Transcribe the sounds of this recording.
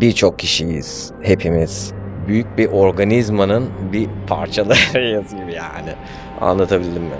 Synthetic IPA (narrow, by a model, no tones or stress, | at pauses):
biɾt͡ʃʰo̞k̚cʰːiʃijḭz̥ | he̞pʰimiz̥byjyc̚biʔo̞ɾɡanizmanɯnbipʰa̰ɾt͡ʃʰalˠajasɯɟibijaːnɪ̰ | a̰nlˠat̪ʰabilʲilʲimmɪ̰